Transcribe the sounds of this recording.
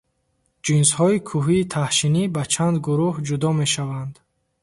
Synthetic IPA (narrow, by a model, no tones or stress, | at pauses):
d͡ʒinshɔikʰuɦiːt̪ʰahʃinibat͡ʃʰand̪ɡuɾuhd͡ʒud̪ɔme̞ʃavand̪